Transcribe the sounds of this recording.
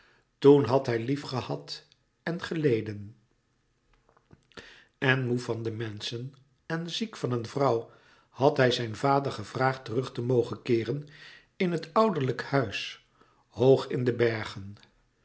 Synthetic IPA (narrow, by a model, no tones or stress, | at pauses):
tunɦɑtɦɛjlifχəhɑt | ɛnχəlejdən | ɛnmufɑndəmɛnsən | ɛnzikfɑnənvrɑw | hɑtɦɛjzɛjnvaːdəɹχəv̥raːχtərɵχtəmowχənkɪːrən | ɪnɦətɑwdəɹləkhœɥs | howχɪndəbɛɹχən